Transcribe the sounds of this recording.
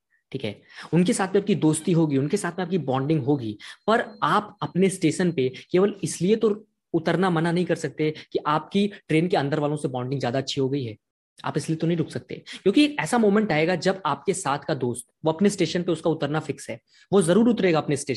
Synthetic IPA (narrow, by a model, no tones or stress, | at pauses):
ʈʰiːkɦɛ̰ːʊnkesaːt̪ʰmẽaːp̚kid̪oːst̪iɦoːɡiʊnkesaːt̪ʰmẽaːp̚kibɔ̃ːɳɖɪ̃ŋɡɦoːɡiːpɐɾaːpɐpnesʈeːʃənpekeːʋəlɪsliet̪o | ʊt̪əɾnamɐnanɐɦĩkɐɾsɐk̚t̪ekiʔaːp̚kiʈɾeːnkeɐ̃nd̪əɾʋaːlõsebɔ̃ːɳɖɪ̃ŋɡzjaːd̪aɐtːʃʰiɦoɡɐiɦɛː | a̰ːpɪsliet̪onɐɦĩɾʊkʰsɐk̚t̪ḛkjõːkieːkɛːsamoːmɛ̃ɳʈaːeɡad͡ʒɐbaːp̚kesaːt̪ʰkad̪oːst̪ʋoɐpnesʈeːʃənpeʊskaʊt̪əɾnafɪksɦɛː | ʋozɐɾuːɾʊt̪ɾeːɡaɐpnesʈeː